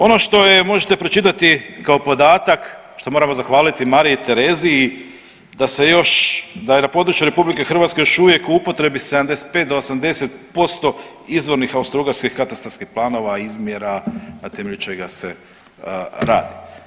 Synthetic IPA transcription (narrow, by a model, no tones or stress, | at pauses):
o̞no̞ʃt̪o̞jemo̞ʒet̪e̞pɾo̞t͡ʃit̪at̪ikaopo̞d̪aːt̪ak | ʃt̪o̞moɾamo̞zaxʋaːlit̪imaɾiit̪e̞ɾe̞ziː | d̪ase̞jo̞ʃd̪ajenapo̞d̪ɾut͡ʃjuɾe̞publike̞xɾr̩ʋat̪skejoʃuʋje̞kuupo̞t̪ɾe̞bise̞d̪amd̪e̞se̥t̪̚pet̪d̪oosamd̪e̞se̞t̪̚po̞st̪o̞ | izʋo̞ɾnixaust̪ɾuːɡaɾskixkat̪ast̪ɾoskixplˠaːno̞ʋaizmje̞ɾanat̪e̞me̞ʎut͡ʃe̞ɡase | ɾa̰ːd̪i